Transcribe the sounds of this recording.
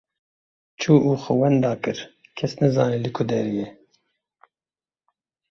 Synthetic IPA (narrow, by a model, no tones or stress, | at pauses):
t͡ʃʰuːʔuːxəwɛnd̪ɑːkɨɾ | kʰɛsnɛzɑːnilɨkʰud̪ɛɾijɛ